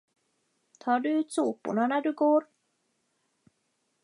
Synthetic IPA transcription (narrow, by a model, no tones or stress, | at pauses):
t̪ʰɑːɖɵʉ̟ːt̪suːpʊ̰ɳanæɖɵɡoːɾ